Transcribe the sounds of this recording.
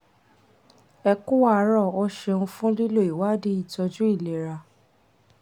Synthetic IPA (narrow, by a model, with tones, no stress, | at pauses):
ɛ˧ku˦wa˦˧˨ɾɔ˦˨o˧˦ʃe˧ũ˧fũ˦li˦lo˦˨i˨wa˦di˦i˦˨tɔ˧d͡ʒũ˦i˦˨le˨ɾa˧